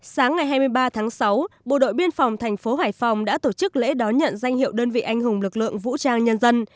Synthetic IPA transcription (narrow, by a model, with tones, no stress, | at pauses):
saː˨˦ŋːa˨˩jɦaː˧jmɨ˧əjɓaː˧t̪ʰaː˨˦ŋsa˨˦wɓo̰˧˨ɗo̰˧˨jɓi˧ənfa˨˩wŋ͡mt̪ʰɛ˨˩jŋ̟fo˨˦ɦaː˧˩jfa˨˩wŋ͡mɗa̰ː˧˥t̪o˧˩t͡ɕɨ˦˥k̚lḛ˧˥ɗɔ˨˦ɲə̰˧˨nza˧jŋ̟hḭ˧˨əwɗəː˧nvḭ˧˨ʔa˧jŋ̟ɦʊ˨˩ŋ͡mlɨ˨˩k̚lɨ̰˧˨əŋvṵ˧˥t͡ɕaː˧ŋɲə˧nzə˧n